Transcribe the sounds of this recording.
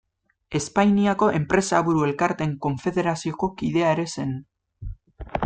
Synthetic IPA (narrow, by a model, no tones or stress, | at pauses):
e̞spajniako̞ʔe̞mpɾe̞saβuɾue̞lkaɾt̪e̞ŋko̞ɱfe̞ðe̞ɾasio̞ko̞kiðe̞aeɾe̞se̞n